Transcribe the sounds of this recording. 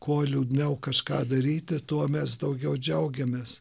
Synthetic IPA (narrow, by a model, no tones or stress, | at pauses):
koɔlʲuːd̪ʲnʲɛʊkɐʃkɑːd̪ɐɾʲiːt̪ʲɪt̪uɔmʲɛsd̪ɐʊɡʲɛʊd͡ʒʲɛʊɡʲɛmʲeːs